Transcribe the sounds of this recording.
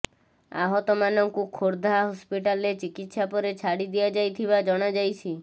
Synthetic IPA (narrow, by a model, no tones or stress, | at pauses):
a̰ɦɔt̪ɔmanɔŋkukʰoɾd̪ʱaɦɔspiʈalet͡ʃikit̪sapɔɾet͡ʃʰaɽid̪iad͡ʒajt̪ʰibad͡ʒɔɽ̃ad͡ʒajt͡ʃʰi